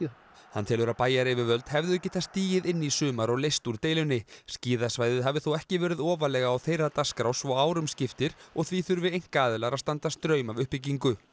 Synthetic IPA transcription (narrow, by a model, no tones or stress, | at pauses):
hanːt̪ʰɪlvɛɾapaːjaɾɪvɪvœlt̪hɛvðʏɛcːɪt̪θast̪iːjɪðɪnːisʏːmaɾɔɣlejst̪uɾ̥t̪eːjlʏnːɪsciːðasvaːjðɪðɦavɪθuwɛhcɪvɛːɾɪðɔːvalɛːɣaːwθejɾat̪askɾawsvɔɣaːwɾʏmscɪft̪ɪɾ̥ɔɣθviθʏɾvɪejŋ̥kaːðɪlaɾast̪ant̪ast̪ɾœːɥmavʏhpɪc̬iŋkʏ